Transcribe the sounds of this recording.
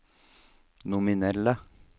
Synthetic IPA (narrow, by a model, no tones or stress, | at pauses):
nʊmɪnɛlə